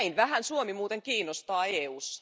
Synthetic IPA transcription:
inʋæɦænsuomimuːt̪eŋkiːnːost̪ɑːeːuːsɑ̥

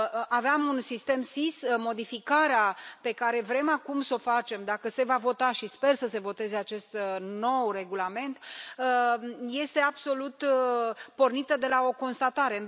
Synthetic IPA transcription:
aveamunsist̪e̞msismo̞d̪ifikaɾeape̞kaɾe̞vɾe̞makumso̞fat͡ʃe̞md̪akəse̞vavo̞t̪aʃispe̞rsəse̞vo̞t̪e̞ze̞at͡ʃe̞st̪no̞wre̞ɡulame̞nt̪əje̞st̪e̞ab̥so̞lut̪ | po̞rnit̪əd̪e̞lao̞ko̞nst̪at̪aɾe̞

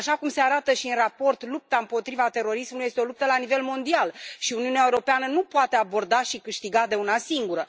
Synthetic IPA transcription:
aʃakumse̞aɾat̪əʃiɨnrapo̞rt̪lup̚t̪aɨmpo̞t̪ɾivat̪e̞ɾo̞ɾismulujest̪eo̞lup̚t̪əlanive̞lmo̞nd̪ialʃiuniuneaeuɾo̞peanənupoat̪e̞abo̞rd̪aʃikɨʃt̪iɡad̪e̞unasiŋɡuɾə

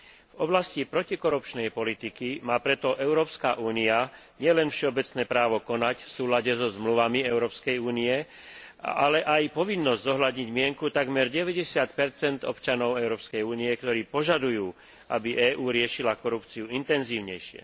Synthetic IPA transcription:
vɔblascipɾɔcikɔɾupt͡ʃnɛjpɔlit̪ikimaːpɾɛt̪ɔʔɛʊɾɔːpskaʔuːnia | ɲɪɛlɛnfʃɛɔbɛt͡snɛːpɾaːʋɔkɔnacfsuːlaɟɛzɔzmluʋamiɛʊɾɔːpskɛjuːniɛ | a̰lɛʔajpɔʋinːɔzzɔɦlad̪ɲiɟmɪɛŋkut̪aɡmɛɾɟɛʋɛɟɛsɪat̪pɛɾt͡sɛnd̪ɔ̰pt͡ʃanɔʊɛʊɾɔːpskɛjuːniɛkt̪ɔɾiːpɔʒad̪ujuː | ʔa̰biʔɛːʔuːɾɪɛʃilakɔɾupt͡siuint̪ɛnziːʊɲɛjʃɪɛ̰

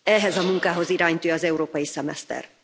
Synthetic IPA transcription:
ɛɦɛzɒmuŋkaːɦo̞ziɾaːɲt̪øːɒzɛuɾoːpɒjisɛmɛ̰st̪ɛ̰r

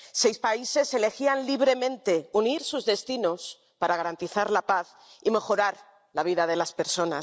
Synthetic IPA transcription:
sejspaise̞se̞le̞xianliβ̞ɾe̞mẽ̞nt̪e̞uniɾsuzðe̞st̪inos | paɾaɣaɾant̪iθaɾlapaθ | ime̞xo̞ɾaɾ | laβ̞iðaðe̞laspe̞ɾso̞na

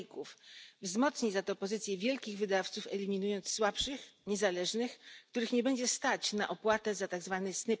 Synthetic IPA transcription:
kufvzmɔt̪sɲizat̪ɔpɔzɘt̪sʲjɛvʲjɛlkʲiɣvɘd̪aft̪sufɛlʲimʲinujɔnt̪sːwapʂɘxɲɛzalɛʐnɘxkt̪uɾɘxɲɛbɛɲd͡ʑɛst̪at͡ɕnaʔɔpwat̪ɛzat̪aɡzvanɘsnɘ

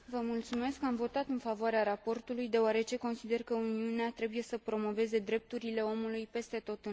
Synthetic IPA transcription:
vəmult̪sume̞skːamvo̞t̪at̪ɨnfavoaɾeaɾapo̞rt̪ulujd̪e̞oaɾe̞t͡ʃe̞ko̞nsid̪e̞rkəuniuneat̪ɾe̞buje̞səpɾo̞mo̞ve̞ze̞d̪ɾe̞p̚t̪uɾile̞o̞mulujpe̞st̪e̞t̪o̞t̪ɨ

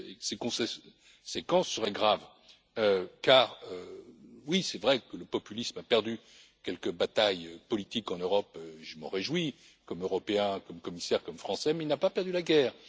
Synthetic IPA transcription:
esekɔ̃se | sekɑ̃sːəʁɛɡʁav | økaʁøwisɛvʁɛkələpɔpylismapɛʁd̪y | kʲɛlkəbat̪ajøpɔlit̪ikɑ̃nøʁɔpøʒəmɑ̰̃ʁeʒwi | kɔmøʁɔpeɛ̃kɔmkɔmisɛʁkɔmfχɑ̃sɛmɛilnapapɛʁd̪ylaɡɛːʁ

